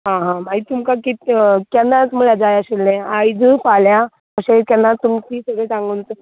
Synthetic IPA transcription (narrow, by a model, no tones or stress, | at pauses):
ɦãɦãmaɦit̪ːumkakit̪kanːat͡smuɭad͡zajaɕelːẽajd͡zəfalja | əɕekanːat̪ːumkisəɡɭet͡sãŋɡunt͡sə